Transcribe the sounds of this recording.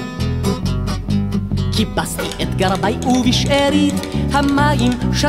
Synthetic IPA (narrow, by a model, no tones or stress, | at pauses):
kʰibastḭʔɛt̪ɡaɾˤbajʔubiʃeɾit̪hamːaːjimʃa